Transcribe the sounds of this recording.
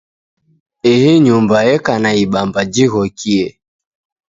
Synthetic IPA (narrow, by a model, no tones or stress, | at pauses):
ɛhɛɲumbajɛkanaiɓambad͡ʒiɣɔkʰiɛ